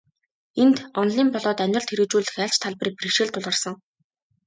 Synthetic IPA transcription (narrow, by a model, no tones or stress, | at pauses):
ent̪ɔnɮiːmpɔɮɔːt̪œn̆ʲɬt̪ʰeɾɘ̆t͡ɕuːɮɘ̆xæːɬt͡ɕt̪ʰaɮpriːk̚priʃeɮt̪ʰʊɮʁə̆rsə̆ŋ